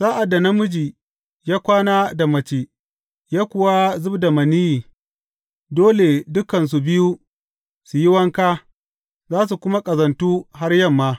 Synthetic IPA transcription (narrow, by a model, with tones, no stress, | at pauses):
sa˦ʔa˨dːa˨na˦mʊ˦d͡ʒiː˨ | jaː˦kʷaː˦naː˦da˨mɐ˨t͡ʃeː˨ | jaː˦kʷʊ˨wa˦zʊ˦bda˨mɐ˨ni˦jiː˨ | doː˦le˨dʊ˦kɐ˨ns̬u˨bɪ˦ju˦ | su˨jɪ˦wɐ˦ŋkaː˦ | zaː˦s̬u˨kʷʊ˦ma˦kʼɐ˨zɐ˨ntuː˦ɦa˦rjɐ˦mːaː˦